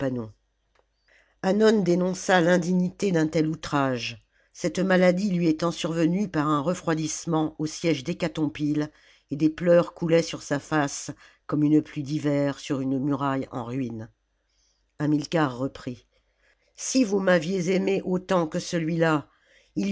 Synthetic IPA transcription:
panɔ̃ | anɔnd̪enɔ̃salɛ̃d̪iɲit̪ed̪ɛ̃t̪ɛlut̪χaʒ | sɛt̪malad̪ilɥiet̪ɑ̃syʁvənypaʁɛ̃ʁəfχwad̪ismɑ̃osjɛʒd̪ekat̪ɔ̃pil | ed̪eplœʁkulɛsyʁsafaskɔmynəplyd̪ivɛʁsyʁynmyʁajɑ̰̃ʁɥin | ɛ̃milkaʁːəpχi | sivumavjezemeʔot̪ɑ̃kəsəlɥila | il

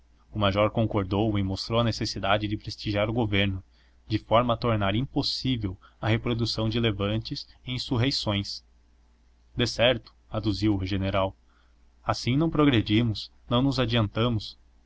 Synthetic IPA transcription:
ʊmaʒɔɾkõŋkoɾd̪owɪmost̪ɾowɐnesesid̪ad͡ʒɪd͡ʒɪpɾest͡ʃiʒiaɾʊɡoveɾnʊ | d͡ʒɪfɔɾmɐt̪oɾnaɾĩmposivewɐhepɾod̪usɐ̃w̃d͡ʒɪlevɐ̃nt͡ʃɪzẽj̃suɦejsõj̃s | d̪esɛɾt̪ʊ̥ad̪uziwʊɦeʒeneɾaw | asĩnɐ̃w̃pɾoɡɾed͡ʒimʊsnɐ̃w̃nʊzad͡ʒiɐ̃nt̪ɐ̃mʊs

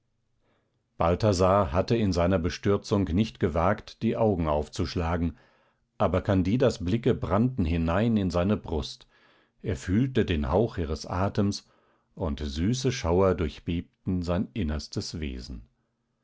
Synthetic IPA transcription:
b̥altazahatəɪnzaɪnɐbəʃtʏɐt͡sʊŋknɪçtɡ̥əvaːktd̥iːʔaʊɡŋ̩aʊft͡suʃlaːɡŋ̩ | ʔaːbɐkʰandiːdasblɪkəbʁantn̩ɦɪnaɪnɪnzaɪnəbʁʊst | ʔeːɐfyːltədeːnhaʊχʔiːʁəsʔa̰ːtəms | ʔʊntzyːsəʃaʊɐdʊɐçb̥eːp̚tn̩zaɪnʔɪnɐstəsvḛːzn̩

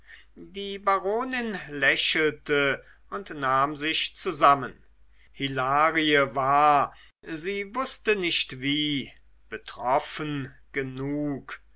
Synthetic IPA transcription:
diːbaʁoːnɪnlɛɕl̩tə | ʊntnaːmzɪçt͡suzamən | hilaːʁiəvaːɐ | ziːvʊstənɪçtviː | b̥ətʁ̥ɔfən | ɡ̥ənuːk

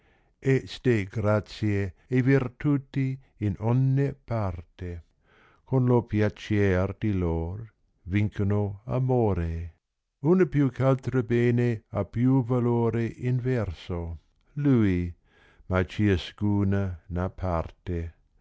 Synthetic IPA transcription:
esd̪eɡɾat͡sjeːviɾt̪ut̪i | ɪnɔnːepaɾt̪e | kʰonlopjat͡ʃɛɾd̪̥iloɾ | viŋkʰonoa̰moɾe | unəpjukʰalt̪ɾəbeːneapjuvaloɾeʔinvɛɾso | lui | mat͡ʃieskuːnanapʰaɾt̪e

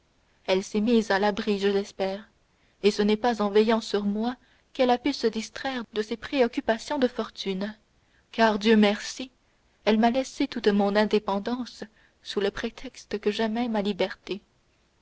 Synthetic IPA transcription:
ɛlsɛmizalabʁiʒəlɛspɛːʁ | esənɛpazɑ̃vɛjɑ̃syʁmwa | kɛlapysəd̪ist̪χɛːʁd̪əsepχeɔkʲypasjɔ̃d̪əfɔʁt̪yn | kaʁd̪jømɛʁsi | ɛlmalɛset̪ut̪mɔ̃nɛ̃d̪epɑ̃d̪ɑ̃sː | uləpχet̪ʰɛkst̪əkəʒɛmɛmalibɛʁt̪e

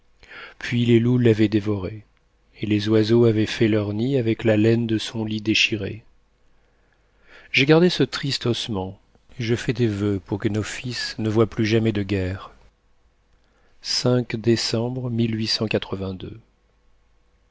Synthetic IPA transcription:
pɥilelulavɛd̪evɔʁe | elezwazoavɛfɛlœʁniavɛklalɛnd̪əsɔ̃lid̪eʃiʁḛ | ʒ̥eɡaʁd̪esət̪χist̪ɔsmɑ̃ | eʒəfɛd̪evøpuʁkənofisnəvwaplyʒamɛd̪əɡʲɛʁ | sɛ̃kd̪esɑ̃bʁmilɥisɑ̃kat̪χəvɛ̃d̪ø

